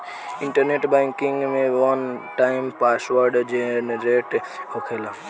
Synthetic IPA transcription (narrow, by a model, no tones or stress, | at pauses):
ɪɳʈəɾneʈbɛ̃ŋkiŋɡmẽʋənʈaɪmpasʋəɾɖd͡ʒenɾeʈ | hokʰelã